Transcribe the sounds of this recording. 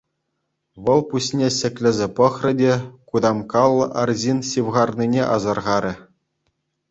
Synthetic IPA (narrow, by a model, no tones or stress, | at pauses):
ʋɤ̆lˠpusʲnʲesʲɘ̆kʲlʲɘ̆zʲĕpɤ̆χrʲɘ̆dʲekud̪ɑmkɑlˠːɤ̆ʔɑrzʲinɕiʋʁɑrnʲinʲeʔɑ̰zɑrʁɑɾʲɘ̆